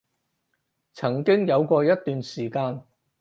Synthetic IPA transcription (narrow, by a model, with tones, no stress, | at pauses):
t͡sʰɐ˨˩ŋkɪ˥ŋjɐ˨˧wkʷɔː˧jɐ˥t̚t̪yː˨˧nsiː˨˩kaː˧n